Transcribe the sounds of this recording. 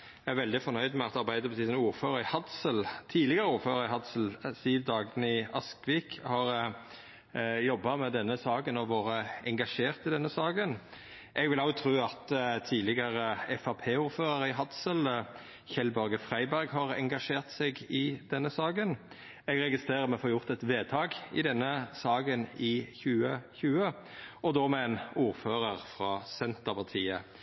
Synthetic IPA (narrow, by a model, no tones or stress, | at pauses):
ææʁʋɛld̪ɪfɔnœʏd̪mɛɑt̪ɑʁbæɪd̪əpʰɑt̪ʰiːsnuːɾføːʁəɾɪhɑd̪səlt̪ʰiːlɪɡəʁəuːɾføːɾʁəɾɪɦɑd̪səl̩siːʋd̪ɑːɡnɪɑskʋiːkhɑʁ | jɔbːɑmɛd̪ɛnːəsɑːɡənɔʋoːɾəɛŋɡɑʂeːʁt̪ɪd̪ɛnːəsɑːɡən | ʔɛɡʋɪlɑʊt̪ʰɾʉːɑt̪t̪ʰiːlɪɡəɾəɛfɑpʰeːuːɾføːɾəɾɪɦɑd̪sələ | çɛlbœɾɡəfʁæɪbæɾɡhɑʁɛŋɡɑʂeːʁt̪sɛɡɪd̪ɛnːəsɑːɡən | ɛɡɾɛɡɪst̪ʁeːʁəɾmɛfoːɾjʊʁt̪ɛt̪ʋeːt̪ʰɑːɡɪ̰d̪ɛnːəsɑːɡənɪçʉːəçʉːə | ɔd̪oːmɛɛnuːɾføːɾəʁfɾɑːsɛnt̪əpʰɑt̪ʰiːə